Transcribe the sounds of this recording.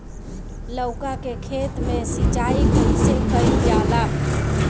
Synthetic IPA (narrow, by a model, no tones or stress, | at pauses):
ləʊkakekʰet̪mesit͡ʃaikulsekəɾijala